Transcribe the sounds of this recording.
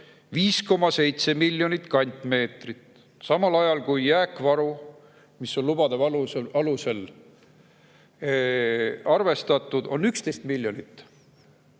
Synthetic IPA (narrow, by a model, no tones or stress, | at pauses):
viːsko̞mːɑse̞jt̪se̞milʲjo̞nit̪kɑnʲt̪ˑme̞ːt̪rit̪ | sɑmɑlɑjɑlkujːæːkːˑvɑɾu | miso̞nlub̥ɑd̪evɑluɑluse̞l | ɑrve̞st̪ɑt̪ːˑud̪̥o̞nːykst̪e̞jst̪milʲjonit̪ːˑ